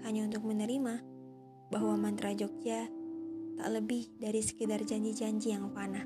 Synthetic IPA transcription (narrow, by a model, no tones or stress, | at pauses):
kaɲaunt̪ʊk̚mənəɾima | baɦwamant̪ɾad͡ʒɔk̚ɲa | t̪a̰ʔləbɪhdaɾisə̥kədard͡ʒaɲd͡ʒid͡ʒaɲd͡ʒijaŋpana